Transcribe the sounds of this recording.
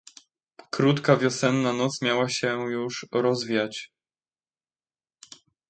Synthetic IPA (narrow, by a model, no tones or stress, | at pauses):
kɾut̪kavʲjɔsɛnːanɔt̪smʲjawaɕɛjuʂɾɔzvʲijat͡ɕ